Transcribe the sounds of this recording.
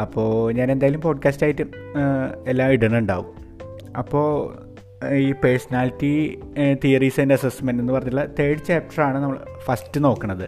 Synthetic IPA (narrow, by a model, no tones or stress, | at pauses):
ɐpːo̞ːɲaːne̞nd̪aːjilumpo̞ːɖkʲaːstaːjitːɨ | elːaːmiɽɐnuɳɖaːʋum | ɐpːo̞ː | iːpersɐnaːlitːit̪ijɐriːsendeɐsesmendenːɨpɐrɐɲːiʈ̬ːɨɭːɐt̪eːɽit͡ɕːaːp̚ʈɐraːɳɨnɐmːɐɭfɐstɨno̞ːkːɐɳɐðɨ